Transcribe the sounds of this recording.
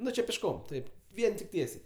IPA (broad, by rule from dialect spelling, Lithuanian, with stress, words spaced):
ˈnʊ t͡ʃʲɪ pʲɪʃˈkoːm ˈtɐɪp ˈʋʲiɛn tʲɪk ˈtʲiɛsʲɛɪ